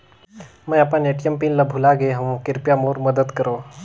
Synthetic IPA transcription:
məjapãneʈjəmpinlabʱulaɡeɦɐʋõkɪɾpjamoːɾməd̪əd̪kəɾoː

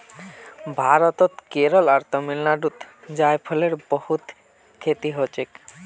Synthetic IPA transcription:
bʱaɾot̪ot̪keɾolaɾt̪omilnaɖut̪ | d͡ʑajpʰoleɾbohut̪ | kʰet̪iɦot͡ɕek

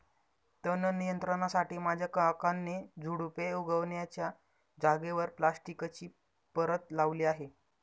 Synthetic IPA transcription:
t̪ənənijənt̪ɾəɳasaʈiːmad͡ʑʱjakəakanːed͡zʱuɽupeuɡəʋnjat͡ɕja | d͡zaɡeʋəɾplasʈikt͡ɕiː | pəɾət̪laʋliːaɦe

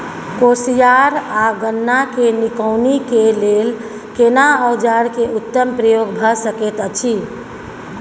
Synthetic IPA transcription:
kosijaɾaɡənːakenikəʊnikelel | kenaəwd͡ʒaɾkeut̪ːəmpɾəjoɡbʱəsəket̪ət͡ʃʰi

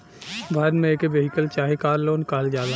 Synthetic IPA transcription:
bʱaːɾmẽːkeʋeːɦɪkəlt͡ʃaːɦekaːɾlːoːnkaːld͡ʒaːd̪a

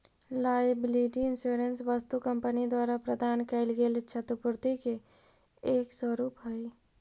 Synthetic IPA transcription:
laːbliːʈiɪnsuːɾənsʋəst̪ukɐ̃mpənid̪waːɾapɾɐd̪ʱaːnkɐɪlɡeːlt͡ʃʰɐt̪ʊpʊɾt̪ike | eːkswəɾuːpɦai

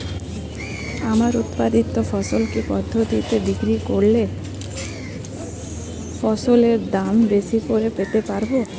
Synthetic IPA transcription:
amaɾut̪pad̪it̪ːofɔsolkipɔd̪ʱːot̪it̪ebikɾikoɾle | fɔsoleɾd̪ambesipoɾepet̪epaɾbo

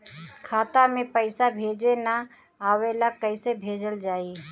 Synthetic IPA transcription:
kʰaːt̪amẽpəɪsabʱeːd͡ʒena | aːwelakːəɪsebʱeːd͡ʒəld͡ʒaːi

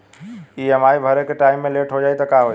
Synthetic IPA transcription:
iːɛmaːibʱɐɾekʈaːɪmːẽleʈʰɦod͡ʒaːit̪ɐkaɦoi

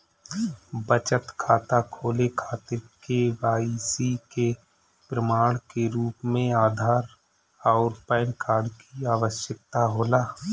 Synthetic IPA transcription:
bət͡ʃət̪kʰaːt̪akʰoːlekʰaːt̪ɪɾkeʋaːisike | pɾəmaːɽ̃keɾuːpmẽaːd̪ʱaːɾ | ɔːɾpɛ̃ːnkʰaːɾɖkiaːʋəʃjək̚t̪aɦoːlaː

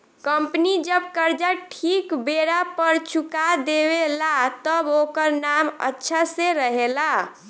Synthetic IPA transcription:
kəmpnid͡ʒəbkəɾd͡ʒaʈʰikbeɽapəɾt͡ʃʰukad̪ebelat̪əbokəɾnamə̰tːʃʰaseɾəɦela

